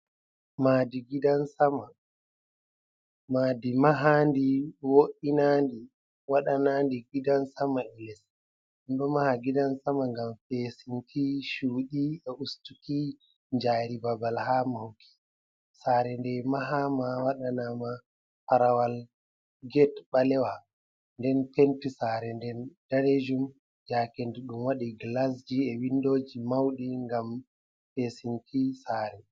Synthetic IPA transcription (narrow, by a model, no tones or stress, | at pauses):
maːdiɡidansama | madimaɦandiwoʔinandi | waɗanandiɡidansamaɛlɛs | ɛnɗɔmahaɡidansamaŋɡamfesintʰiʃuːɗiɛʔustuki | ɲd͡ʒaːɾibabalɦaːmahukʰi̥ | saːɾɛndɛmaɦamawaɗanama | paɾawal | ɡɛtɓalɛwa | ndɛnpentisaɾɛndɛnd̥aɾed͡ʒum | d͡ʒaːkendiɗumwaɗiɡlas̬d͡ʒiɛwindoːd͡ʒimawɗiŋɡam | fesinkʰisaːɾɛ